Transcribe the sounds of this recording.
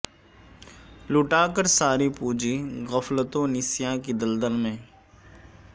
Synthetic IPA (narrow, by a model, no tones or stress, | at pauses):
lʊʈaːkəɾsaːɾipuːd͡ʒiɣəflət̪õnɪsijãkid̪əld̪əlmẽ